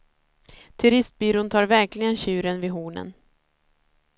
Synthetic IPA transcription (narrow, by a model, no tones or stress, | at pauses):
t̪ʰɵɾɪst̪̚byːɾuːnt̪ʰɑːɾvæɾklɪɡənɕʉ̟ːɾənvɪɦuːnə̰n